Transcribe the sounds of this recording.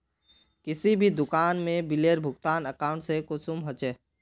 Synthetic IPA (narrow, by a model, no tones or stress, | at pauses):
kɪsibʱid̪ʊkaːnmẽbɪleːɾbʱʊɡt̪aːnəkaːʊ̃ɳʈsekʊsumɦɐt͡ʃeː